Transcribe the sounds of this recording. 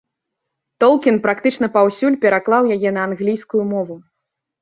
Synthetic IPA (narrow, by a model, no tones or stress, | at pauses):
t̪ɔlˠkʲinpɾakt̪ɨt͡ʂnɐpawsʲulʲpʲɛɾaklˠawjajɛnɐːnɣlʲijskujumɔvu